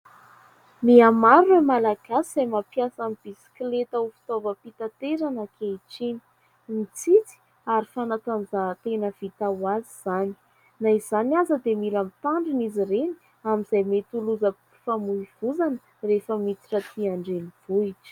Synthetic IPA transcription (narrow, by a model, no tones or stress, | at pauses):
miamaɾemalaɡ̥asiz̥ajmapjasamib̥isi̥klet̪aufi̥t̪ovəpit̪at̪eɾanəkʰeiʈ͡ʂini̥ | mit͡sit͡si̥ | aɾifanat̪and͡zat̪enəv̥it̪awaziz̥ani̥ | naiz̥aniazəd̪emilamit̪aɳɖ͡ʐiniziɾeni̥ | amiz̥ajmet̪uluzə | famuiv̥uzanə | refəmit͡si̥ʈ͡ʂət̪iaɳɖ͡ʐeniv̥uiʈ͡ʂə̥